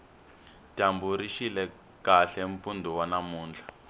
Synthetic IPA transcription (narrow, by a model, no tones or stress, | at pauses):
tambuɾiʃilɛ | kaɬɛɱpundʱuwanamuːnd͡ɮʱa